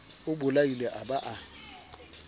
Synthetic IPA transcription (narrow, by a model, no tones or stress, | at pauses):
ʊɓʊlailɛʔaɓaʔa